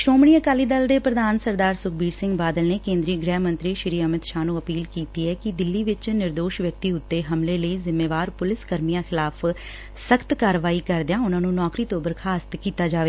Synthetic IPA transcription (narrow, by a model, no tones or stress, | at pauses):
ʃɾoːmɳiːəkaːliːd̪əld̪eːpɾəd̪aːnsəɾd̪aːɾsʊk̚ʰbiːɾsɪ̃ŋɡbaːd̪əlneːkẽːnd̪ɾiːɡɾɛːɦmə̃nt̪ɾiːʃɪɾiːəmɪt̪ʃaːnũːəpiːlkiːt̪iːɛːkɪd̪ɪlːiːʋɪt͡ʃnɪɾd̪oːʃʋjək̚t̪iːʊt̪ːeːɦəmleːləiːzɪmːeːʋaːɾpʊlɪskəɾmijãːxʰɪlaːpʰ | səkʰt̪kaːɾʋaːiːkəɾd̪ɪjaːʊnãːnũːnɔːkɾiːt̪oːbəɾkʰaːst̪kiːt̪aːd͡ʒaːʋeː